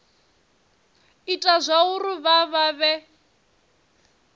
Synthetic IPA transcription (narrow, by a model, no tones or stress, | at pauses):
itʼazʷauɾuβaβaβɛ